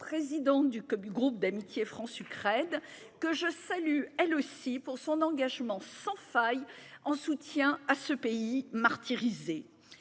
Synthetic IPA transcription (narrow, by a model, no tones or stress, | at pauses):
pχezid̪ɑ̃td̪ykyɡʁup̚d̪amit̪jefχɑ̃sykχɛd̪ | kəʒəsalyɛlosipuʁsɔ̃nɑ̃ɡaʒmɑ̃sɑ̃fajɑ̃sut̪jɛ̃asəpeimaʁt̪iʁize